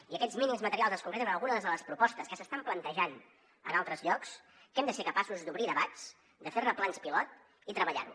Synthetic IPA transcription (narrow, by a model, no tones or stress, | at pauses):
iəkɛd͡zminimzmət̪əɾialˠzəskuŋkɾɛt̪əmenəlɣunəðəzðələspɾupɔst̪əskəsəst̪amplənt̪əʒan | ə̰nalˠt̪ɾəzʎɔks | kɛmd̪əsekəpasuzd̪uβɾiðəβat͡s | d̪əfernəplanspilɔt̪̚ | it̪ɾəβəʎa̰ɾṵ